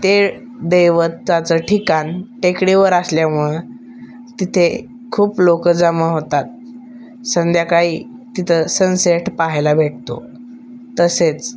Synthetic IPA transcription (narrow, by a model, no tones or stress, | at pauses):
t̪e | d̪ejʋət̪t͡sat͡səʈʰikanʈekɽiʋəɾasljamuɭe | t̪it̪ʰe | kʰuːplokəd͡zaməɦot̪at̪̚ | sənd̪ʱjakaɦiː | t̪it̪ʰəsə̃nseʈpaɦjlabʱeʈ̚t̪o̰ | t̪əset͡s